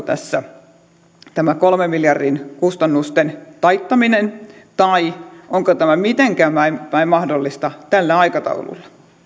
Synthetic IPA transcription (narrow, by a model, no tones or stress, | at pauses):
t̪æ̰sːæ | t̪æmækolmemmiljɑrdinkust̪ɑnːust̪ent̪ɑit̪ːɑminent̪ɑiʔoŋkot̪æmæmit̪eŋkæːmæimʋæimmɑhdolːist̪ɑt̪ælːæɑikɑt̪ɑ̰ulṵlːɑ